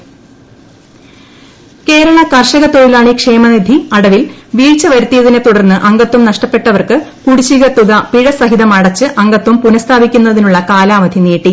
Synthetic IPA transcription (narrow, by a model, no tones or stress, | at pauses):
ke̞ːɾɐɭɐkɐrʂɐɣɐt̪ːoːɾilaːɳikʂe̞ːmɐnid̪ʱiɐɽɐʋilʋiːɻt͡ɕːɐʋɐɾut̪ːijɐðinet̪uɽɐrnːɨʔɐŋɡɐt̪ːumnɐʂʈɐpːe̞ʈːɐʋɐrkɨ | kuɽit͡ɕːiɣɐt̪uðɐpiɻɐsɐɦiðɐmɐɽɐt͡ɕːɨʔɐŋɡɐt̪ːumpunɐst̪ʰaːbikʲːun̪ːɐðinuɭːɐkaːlaːʋɐd̪ʱineːʈːi